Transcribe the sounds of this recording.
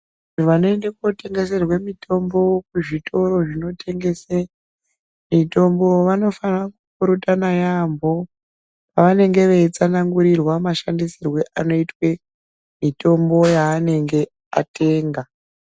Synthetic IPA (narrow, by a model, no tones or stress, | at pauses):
nuʋano̞e̞ndekote̞ŋɡe̞s̬e̞rwemitʰo̞mbo̞kuʐitʰo̞ɾo̞ʐino̞tʰe̞ŋɡe̞se | mito̞mbo̞ʋano̞fanrakukuɾutanajambo̞ | paʋane̞ŋɡe̞ʋet͡sanaŋɡuɾirwamaʃandisirwe̞ʔano̞itwe̞ | mito̞mbo̞jaːne̞ŋɡe̞ | a̰te̞ːŋɡa